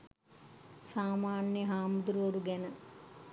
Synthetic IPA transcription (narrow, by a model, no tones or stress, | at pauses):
saːmaːnjəɦaːmud̪uɾuoɾuɡænə